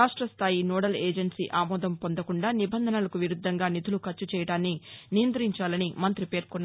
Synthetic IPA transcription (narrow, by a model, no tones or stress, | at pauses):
aːʂʈɾɐst̪ʰaːjinɔːɽɐleːd͡ʒɐɳʈsḭːʔaːmɔːd̪ɐmpond̪ɐkuɳɖaːnibɐnd̪ʱɐnɐlɐkuʋiɾud̪ʱːɐŋɡaːnit̪ulukɐt͡ʃːut͡ʃɛːjɐɽaːnːinijɐnt̪ɐɾiɲt͡ʃaːlɐnimɐnt̪ɾipe̞ːɾkɔnː